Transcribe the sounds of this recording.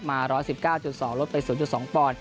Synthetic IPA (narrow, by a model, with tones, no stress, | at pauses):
maː˧ɾɔː˦˥jsi˨˩p̚kaː˥˩wt͡ɕu˨˩sɔː˩˦ŋlo˦˥t̪̚pa˧jsuː˨˩˦nt͡ɕu˨˩t̪sɔː˩˦ŋpɔː˧˩n